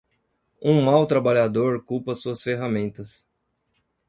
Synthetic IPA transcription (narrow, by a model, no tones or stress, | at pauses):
ũmawt̪ɾabaʎad̪oɾkupɐsuɐsfeɦamẽnt̪ɐs